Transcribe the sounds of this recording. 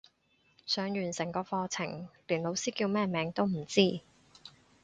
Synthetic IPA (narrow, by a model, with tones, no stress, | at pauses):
sœː˨˧ŋjyː˨˩nsɪ˨˩ŋkɔː˧fɔː˧t͡sʰɪ˨˩ŋliː˨˩nlo˨˧wsiː˥kiː˧wmɛː˥˩mɛː˨˧ŋt̪o˥wm̩˨˩t͡siː˥